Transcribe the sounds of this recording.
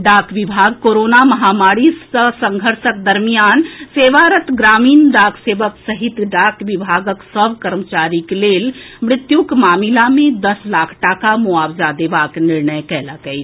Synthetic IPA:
ɖakʰʋibʱaɡkoɾonaməɦamaɾiəsəŋɡʱəɾsək̚d̪əɾmijanseʋaɾət̪ɡɾamiːnɖakʰseʋəksəɦit̪ɖakʋibʱaɡəksəbʱkəɾmət͡ʃaɾiklelmɾɪt̪jukmamilamed̪əslakʰʈakamuabd͡ʒad̪ebakniɾnəjkɛləkɛjt͡ʃʰ

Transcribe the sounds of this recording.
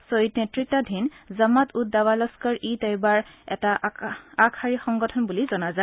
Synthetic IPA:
sojitnɛtɹitadʱinzamatut̚dawalɔskɔɹitɛjbaɹɛ̰taakʰaɹixɔŋɡɔtʰɔnbulizɔnaza

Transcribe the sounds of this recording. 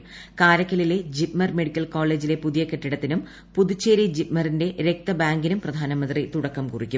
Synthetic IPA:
kaːɾɐkːɐlile̞d͡ʑipmɐrme̞ɽikʲːɐlkoːɭe̞ːd͡ʑile̞puðijɐkeʈːiɽɐt̪ːinum | puðut͡ɕːeːɾid͡ʑipmɐrinde̞ɾe̞k̚t̪ɐbaːŋɡinumprɐd̪ʱaːnɐmɐnd̪rit̪uɽɐkːɐmkurikʲːum

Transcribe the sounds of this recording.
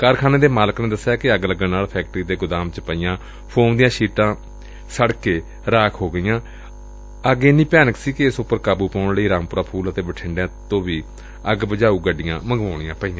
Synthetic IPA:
kəɾkʰaːneːd̪eːmaːləknẽːd̪əsːjaːkɪəɡləɡə̃ːnaːlpʰɛːk̚ʈɾiːd̪eːɡʊd̪aːmt͡ʃpəijãː | pʰoːmd̪ɪjãːʃiːʈãː | səɽkeː | ɾaːkʰɦoːɡəijãː | əɡeːnĩːpɛːnəksiːkɪɪsʊpːəɾkaːbuːpaːʊɳləiːɾaːmpʊɾaːpʰuːlət̪eːbəʈʰɪɳɖjãːt̪õːʋiː | əɡbəd͡ʒaːuːɡəɖɪjãːməŋɡʋaːɳ̃ɪjãːpəijãː

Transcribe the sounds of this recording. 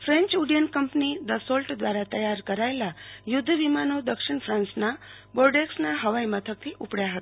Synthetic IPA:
fɾẽɲt͡ʃuɽijənkəmpnid̪əsolʈd̪ʋaɾat̪əjaɾkəɾajelajud̪ʱːʋimanod̪əkʂiɳfʰɾãnsnaboɾɖeksnaɦəʋaimət̪ʰək̚t̪ʰiʔupɽjaɦət̪a

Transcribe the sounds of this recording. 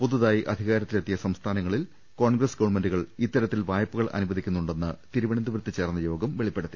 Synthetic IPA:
puðuðaːjiʔɐ̰d̪ʱiɣaːɾɐt̪ːile̞t̪ːijɐsɐmst̪ʰaːnɐŋːɐɭil | ko̞ːɳɡrɐsɡɐʋɐɳmendɖuɣɐɭit̪ːɐɾɐt̪ːilʋaːjɐpːuɣɐɭʔɐ̰nubɐd̪ʱikʲːunːuɳɖe̞nːɨt̪iɾuʋɐɳɐnd̪ɐʋɾt̪ːit͡ɕːe̞ːrnːɐjo̞ːɡɐmʋe̞ɭipːeɽut̪ːi

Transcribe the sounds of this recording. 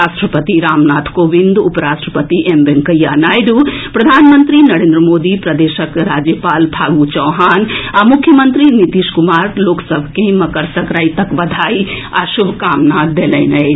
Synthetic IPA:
asʈɾəpət̪iɾamnat̪ʰkobind̪upɾasʈɾəpət̪iʔembeŋkəjːanajd̪upɾəd̪ʱanmənt̪ɾinɐɾẽnd̪ɾəmod̪ipɾəd̪eʃəkɾad͡ʒjəpalbʰʱaɡut͡ʃəwɦanamukʰːjəmənt̪ɾinit̪iʃkumaɾloksəbʱkẽməkəɾsəkɾajt̪əkbɐd̪ʱajia̰subʱkamnad̪eləɪnə

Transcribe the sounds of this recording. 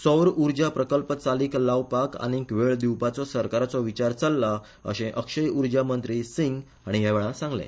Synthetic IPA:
sɔwɾuɾd͡ʑapɾəkəlpət͡saliːklaʋpaka̰ñikʋeɭd̪iwpat͡sɔsəɾkaɾat͡sɔʋit͡ɕaɾt͡salːa | ə̰ɕẽʔəkʂəjuɾd͡ʑamənt̪ɾisiŋɡ | aɽ̃iɦaʋeɭãsãŋɡlḛ̃

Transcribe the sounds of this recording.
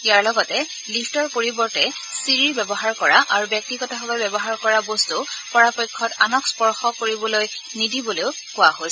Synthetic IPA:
ijaɹlɔɡɔtɛ | lipʰtɔɹpoɹibɔɹtɛ | siɹiɹbɛbɔɦaɹkɔɹaʔaɹubjɔk̚tiɡɔtaɦɔbɔjbɛbɔɦaɹkɔɹabostupɔɹapɔjkʰːɔtanɔkspɔɹxɔkoɹibɔlojnidiboleʊ | kʊaɦojs

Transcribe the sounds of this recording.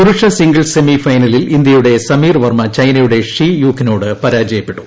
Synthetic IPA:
kuɾuʂɐsiŋɡɐɭse̞mifɐjnɐlilind̪jɐjuɽe̞sɐmiːrʋɐrmɐt͡ɕɐjnɐjuɽe̞ʂijuːkːɐno̞ːɽɨpɐɾaːd͡ʑɐjɐpːe̞ʈːu̥

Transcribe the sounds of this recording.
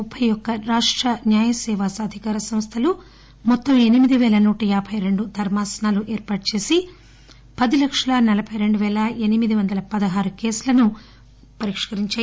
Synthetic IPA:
upʰːɐjɔkːɐɾaːʂʈɾɐnjaːjɐsɛːʋaːsɐːd̪ʱikaːɾɐsɐmst̪ʰɐlu | mɔt̪ːɐme̞nimid̪iʋɛːlɐnuːʈɐjaːbʱɐjɾe̞ɳɖud̪ʱɐɾmaːsɐnaːluʔɛːɾpaːʈ̚t͡ʃe̞ːsi | pɐd̪ilɐkʂɐlɐnɐlɐbʰʱɐjɾe̞ɳɖuʋɛːlɐenimid̪iʋɐnd̪ɐlɐpɐd̪ɐɦaːɾukeːsulɐnu | pɐɾikʂkɐɾiɲt͡ʃaː

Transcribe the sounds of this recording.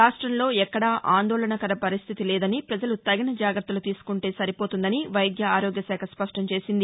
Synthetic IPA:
aːʂʈɾɐmlo̞ːɛkːɐɽaːʔaːnd̪oːlɐnɐkɐɾɐpɐɾist̪ʰit̪ileːd̪ɐnipɾɐd͡ʒɐlut̪ɐɡɐnɐd͡ʒaːɡɾɐt̪ːɐlut̪iːsu̥kuɳʈe̞ːsɐɾipoːt̪und̪ɐniʋɐjd̪jɐaːɾoːɡjɐsɛːkʰɐspɐʂʈɐmt͡ʃe̞ːsind̪i

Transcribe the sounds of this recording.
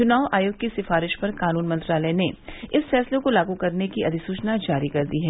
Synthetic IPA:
t͡ʃʊnaːʊaːjoːɡ̚kesɪfaːɾɪʃpɐɾkaːnuːnmɐ̃nt̪ɾaːləjneɪsfɛːslekolaːɡukɐɾnekiɐd̪ʱɪsuːt͡ʃnad͡ʒaːɾikɐɾd̪iɦɛː

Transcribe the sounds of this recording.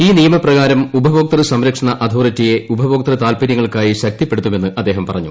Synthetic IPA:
iːnijɐmɐprɐɣaːɾɐmubʱɐʋoːk̚t̪ɐrɨsɐmɾɐkʂɐɳɐʔɐd̪ʱoːrɐtːije̞ubʱɐʋoːk̚t̪ɐrɨt̪aːlpiɾjɐŋːɐɭkaːjiɕɐk̚t̪ipːe̞ɽut̪ːume̞nːɨʔɐd̪ːe̞ːɦɐmpɐrɐɲːṵ

